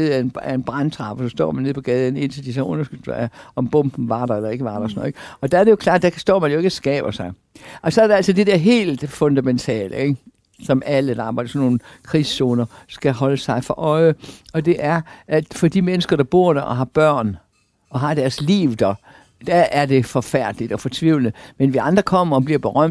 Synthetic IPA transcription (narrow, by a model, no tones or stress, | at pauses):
ð̩ˠænæe̝nb̥ʁɑnt͡sʰʁɑ̈b̥əsɒ̽sd̥ɒ̰ːmænːeð̰ˠpʰɒ̽ɡ̥ɛːðˠən̩e̝n̰t͡sʰeld̥isɒʔɔ̽nɐsɡ̥yl̥æɒ̽mb̥ɔ̽m̰b̥n̩ʋɑ̈ɾɐelɐe̝ɡ̥əʋɑ̈ːɾɑsɒn̰ˠeɡ̥ɒ̽d̥ææɐɾe̝jo̝kʰlɑ̈ːd̚d̥ækʰsd̥ɒ̰ːmænjoe̝ɡ̥əsɡ̥ɛ̰ːb̥ɐsɑ̈ɪ | ʔɒ̽sɒ̽æɐɾeælsɒd̥e̝d̥eɐ̰ɦe̝̰ːld̥fɔ̽nd̥æment͡sʰɛ̰ːlʔəeɡ | sɒ̽mæləd̥ɑɑːb̥ɑɪ̥sɒnːo̝ːn̩kʰʁiːsːoːnɐsɡ̥æɦɒ̽ləsɑ̈ɪfɒ̽ʔɒ̽ɪəɒ̽d̥e̝ʔæɐʔæ̥fɒ̽d̥imenəsɡ̥ɐɾ̥ɑ̈b̥o̝ɐ̰d̥æʔɒ̽ɦɑ̈b̥ɶɐ̰n | ɒ̽ɦɑ̈d̥æɐslḭːʊd̥ɒ | d̥æːɐd̥e̝fɒ̽fæɐ̰d̥əlid̥ɒ̽fɒt͡sʰʋiʊlnəmenʋiɑ̈nd̥ʁɐkʰɒ̽m̰ɐɒ̽b̥liɐb̥e̝ʁɶm̰d̥